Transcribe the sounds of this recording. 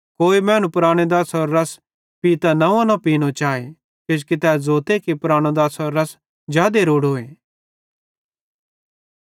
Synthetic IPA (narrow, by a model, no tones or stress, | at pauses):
koːimɛ̃ːnũpɾaːɽ̃ed̪aːsɔɾːɐs | piːt̪anɐʋãnapiːnõt͡ʃaːe | kʊd͡ʒkit̪ɛːzoːt̪ekipɾaːɽ̃õd̪aːsɔɾːɐs | d͡ʒjaːd̪eɾoːɽɦoːeː